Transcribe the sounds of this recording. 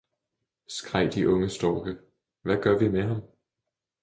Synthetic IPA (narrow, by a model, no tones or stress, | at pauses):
sɡ̥ʁaɪ̰d̥iʔɔ̽ŋəsd̥ɒːɡ̥ə | ʋæɡ̥ɶɐʋimeɦɑ̈m